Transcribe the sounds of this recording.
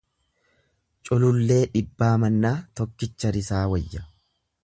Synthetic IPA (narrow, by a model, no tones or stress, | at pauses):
t͡ʃʼʊlʊlːe̞ːᶑɪbːaːmɐnːaːt̪ɔkːɪt͡ʃːɐɾɪsaːwɐjːɐ